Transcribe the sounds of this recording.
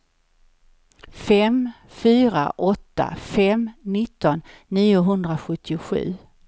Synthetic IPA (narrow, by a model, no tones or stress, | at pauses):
fɛm | fyːɾa̰ʔɔt̪ːa̰fɛmnɪt̪ːɔnːiːʊɦɵnd̪ɾaɧɵt̪ʰːɪʊɧʉ̟̰ː